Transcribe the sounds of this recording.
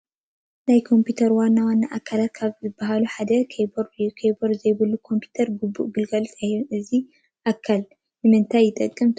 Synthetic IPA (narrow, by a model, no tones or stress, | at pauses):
najkʰo̞mpʰut̪ʰɐɾwanːawanːaʔakʰːalat̪̚kʰaβzɨbːɐɦaluħad̪ɐkʰboɾkʰeboɾzɐjbɨlːukʰo̞mpʰji̥t̪ʰɐɾɡubːṵʔɡɨlɡɐlsahnɨzi | ʔakʰːal | nɨmɨnt̪ʰajːɪt̪ʼɐkʼːɐmt̪ʰ